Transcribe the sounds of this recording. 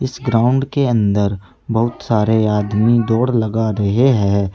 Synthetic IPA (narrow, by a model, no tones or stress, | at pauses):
ɪsɡɾaːʊ̃ɳɖkeɐ̃nd̪əɾ | bɐɦʊt̪saːɾeaːd̪mid̪ɔːɾlɐɡaɾɐɦeɦɛ̃ː